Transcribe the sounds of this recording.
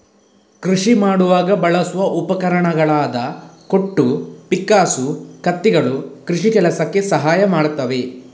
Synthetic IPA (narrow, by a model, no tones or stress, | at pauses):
kɾiʂimaːɽuʋaːɡɐbɐɭɐsuʋɐʔupɐkɐɾɐɳɐɡɐɭaːd̪ɐkoʈːupikːaːsukɐt̪ːiɡɐɭukɾuʂikɛlɐsɐkːe̞sɐɦaːjɐmaːɽt̪ːɐʋe̞